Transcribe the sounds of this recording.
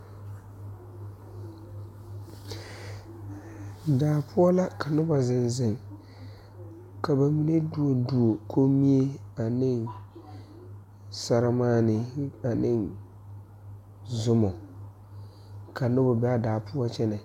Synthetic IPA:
daː˨pʰʊ˦ɔ˦la˦ka˨nʊ˦ba˨zɪ˨nzɪ˨ŋ | ka˨ba˨mi˨ne˦du˨o˨du˨o˨kʰo˦mi˦e˦a˨nɪ˦n | sa˦ɾa˦maː˦˨nɪ˨a˨nɪ˦n | zʊ˦mɔ˨ | kʰa˨nʊ˦ba˨bɛ˦a˦daː˨pʊ˦ɔ˦t͡ʃɛ˦nɛ˨

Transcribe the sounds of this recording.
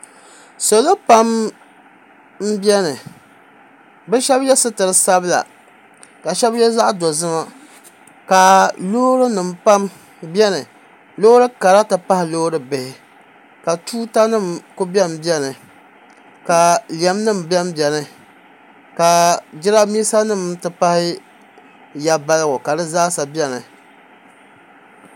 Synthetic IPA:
so˨lo˦pa˦m | m̩˦bjɛ˦nɨ˨ | bɛ˦ʃɛ˦bjɛ˦sɨ˦tɨ˨ɾɨ˦sa˦bla̰˨ | ka˨ʃɛ˦bjɛ˦za˦ʔdɔ˨zɨ˦ma˦ | ka˨loː˦ɾɨ˦nɨ˨mpa˦m | bɛ˦nɨ˨ | lo˦ɾɨ˦ka˨ɾa˦tɨ˨pa˦hɪ˨loː˦ɾɨ˦bɪ˨hɪ˨ | ka˨tʰuː˦ta˦nɨ˦˨mkʊ˦bi˦ɛ˦mbjɛ˦nɨ˨ | ka˨li˨ɛ˨mnɨ˦˨mbɛ˦mbɛ˨nɨ˨ | ka˨d͡ʒɪ˦ɾa˦miː˦sa˦nɨ˦˨mtɨ˨pa˦hɪ˦ | ja˦ba˦lɨ˦ɡʊ˨ka˨dɨ˦zaː˦sa˨bɛ˦nɨ˨

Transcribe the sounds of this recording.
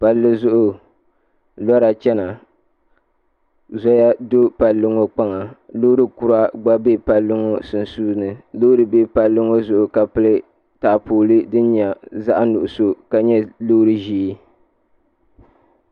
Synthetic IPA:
pa˨lːɨ˦zʊ˦ʔʊ˨ | lɔ˦ɾa˨t͡ʃɛ˦na˨ | zɔ˦ja˦do˦pa˨lːɨ˦ŋo˦k͡pa˦ŋa˨lo˦ɾɨ˦ku˦ɾa˦ɡ͡ba˦be˦pa˨lːɨ˦ŋo˦sɨ˨nsuː˦nɨ˨lo˦ɾɨ˨be˦pa˨lːɨ˦ŋo˦zʊ˨ʔʊ˨ka˨pɨ˦lɨ˦ | ta˨poː˨lɨ˦dɨ˦n˦ɲa˨za˦ʔnʊ˨ʔʊ˨so˦ka˨ɲɛ˦lo˦ɾɨ˦ʒiː˦

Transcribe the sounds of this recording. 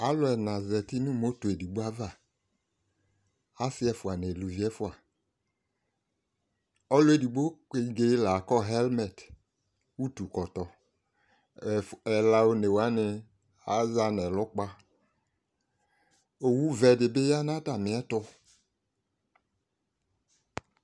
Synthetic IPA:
a˨˦lʊ˨˦ɛ˨na˨zɛ˨ti˦nu˦mo˨˦to˨e˨di˨ɡ͡bo˦a˦va˦˨ | a˨˦sɪ˦ɛ˧fu˨a˨n˨e˨lu˨vi˦ɛ˦fu˦a˨ | ɔ˧lo˦e˨di˨ɡ͡bo˦ke˧ɡe˧˦la˨kɔ˦ɦɛ˦lmɛ˨t | u˦tu˨kɔ˨tɔ˨ | ɛ˨la˧o˧ne˨wa˨˦nɪ˧ | a˨˦za˧nɛ˨lɔ˨˦k͡pa˧ | o˨wu˦vɛ˧de˨be˦ja˦na˦ta˨mɪ˨˦ɛ˦tɔ˧

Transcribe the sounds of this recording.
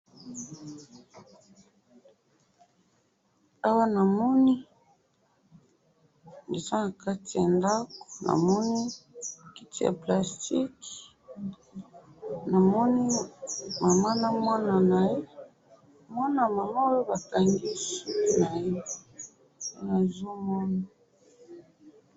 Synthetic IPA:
a˦wa˦na˨mɔ˦ni˦ | ŋi˨za˦na˨ka˦ti˨ja˨nda˦ko̥˨na̰˨mɔ˦ni˦ki˦tʰi˦ja̰˨pla˨sti˦k | na˨mɔ˦ni˦ma˨ma˦na˦mwa˦na˨na˨je˦ | mwa˦na˨ma˨ma˦o˦jo˦ba˨ka˨ŋɡi˦su˦ku˨na˨je˦ | ja˨zo˦mɔ˦na˨

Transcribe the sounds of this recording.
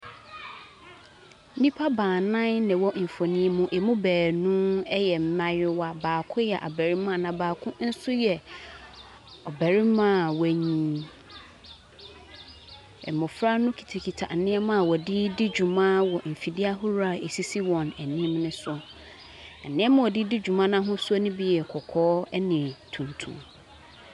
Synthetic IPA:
n̩˦nĩ˦pʰa˦baː˨nã˦nnɛ̃˨wɔ˦m̩˨fo˨nĩ˦mũ˦ʔe˨mʊ̃˦bæː˨nũ˦ɛ˦jɛ˨m̩˦mã˦jɪ˦wa˦baː˨kʰʊ̃˦jɛ˨ʔa̰˨bæ˨ɾi˦mã˦˨nã˨baː˨kʰʊ̃˦n̩˦sʊ˦jɛ˨ | ɔ˨bæ˨ɾi˦mã˦˨wæ˨ɲĩ˨ | ɛ̰˨mʊ̃˨fɾa˦nʊ̃˦kʰi̥˨tʰe˨kʰi˨tʰa̰˨n̩˨nɪ̃˦ɛ˦mã˦a˨wɔ˨di˦di˦d͡ʑu˨mã˦wɔ˨m̩˨fi˨di˦a˦ɦʊ˦ɾa˨e˨si˦si˦wɔ̃˨næ˨nĩ˦mnʊ̃˦sʊ˦ɔ˦˨ | nɪ̃˦ɛ˦mã˦wɔ˨di˦di˦d͡ʑᶣu˨mã˦nã˦ɦʊ̃˦sʊ˦ɔ˦nĩ˦bi˦jɛ˨kʰɔ˨kʰɔː˦ɛ˦nɪ̃˨tʰũ˨ntʰṵ̃˨m

